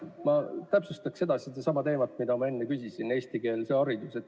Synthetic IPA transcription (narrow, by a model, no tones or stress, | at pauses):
mɑt̪æpsust̪ɑkse̞d̪̥ɑsid̪esɑmɑt̪e̞ːmɑt̪ˑmid̪ɑmɑe̞nːekysʲisine̞ːst̪ike̞ːlse̞ɑɾid̪̥use̞t̪ːˑ